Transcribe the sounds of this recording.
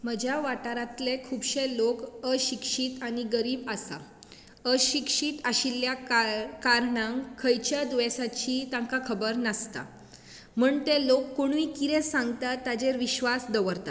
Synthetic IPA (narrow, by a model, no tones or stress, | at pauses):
məd͡ʑʱjaʋaʈaɾat̪lekʰuːbɕelokəɕikʂit̪añiɡəɾiːbasa̰ | əɕikʂit̪aɕilːjakaɾɳãŋkʰəjt͡ɕjad̪uʋesat͡ɕiːt̪ãŋkakʰəbəɾnəst̪a̰ | m̤uːɳt̪elokːoɳ̃ʋiːkit̪esãŋɡt̪at̪ːad͡ʑeɾʋiɕʋasd̪əʋəɾt̪a